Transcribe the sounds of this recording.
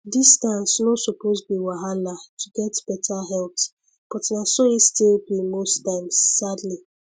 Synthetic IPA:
distãnsnɔsupozbiwaɦalatʰuɡɛtb̥ɛtʰaɦɛlp | b̥ɔtnasoistilbimostaɪ̃msːadli

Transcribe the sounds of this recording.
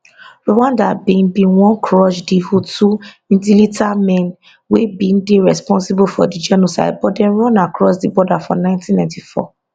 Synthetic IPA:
ɹowãndabẽnbĩwɔ̃nkɹɔʃdivutu | ĩntilitʰamɛ̃n | webĩn̩deɹɛspɔ̃nsibufɔ̰did͡ʒɔnɔsa̰ɪbɔdɛ̃nɹɔ̃nakɹɔsdibɔdafɔ̰nãɪ̃ntĩnãɪ̃ntifɔ̰

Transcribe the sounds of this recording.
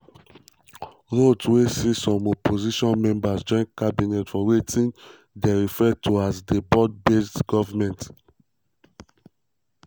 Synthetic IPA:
ɹotwesisɔ̃mɔpʰoziʃɔ̃nmɛ̃mbasd͡ʒɔ̃ĩnkabinɛtfɔwetĩn | deɹifɛtʰuazdebɔd̚bestɡɔvamɛ̃nt

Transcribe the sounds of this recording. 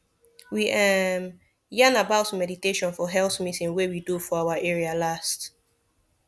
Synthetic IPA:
wiʔɛm | jãnabaʊtmɛditeʃɔ̃nfɔɦɛlθmitĩnwewidufɔawaʔɛɹialast

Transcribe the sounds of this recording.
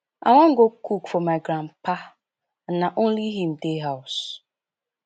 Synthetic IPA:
a̰ŋʷãŋ̩ɡokukfɔmaɡɾãmpa | naʔõnliɦim̩deɦaʊs

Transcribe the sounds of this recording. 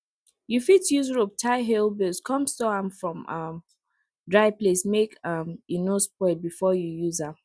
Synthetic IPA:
jufitjuzɹop̚tʰaɪɦɛlbiskʰɔ̃mstoãmfɹɔ̃mʌm | dɹaɪvplesmekʌminospɛbifɔjujuza

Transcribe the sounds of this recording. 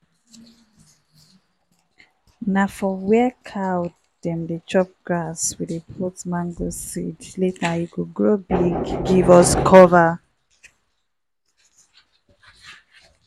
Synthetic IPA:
nafɔwɛkʰawt | dɛ̃mdet͡ʃɔp̚ɡ̥ɹaswiepʰɔtmãŋɡosidletʰajikuɡɹobiɡɡivɔskʰɔva

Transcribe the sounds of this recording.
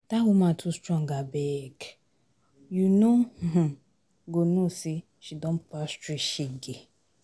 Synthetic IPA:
taɦʊmãtʰustɾɔ̃ŋɡabɛk | junoɦ̩ | ɡonusi | ʃidɔ̃n̩pastɹiʃiɡe

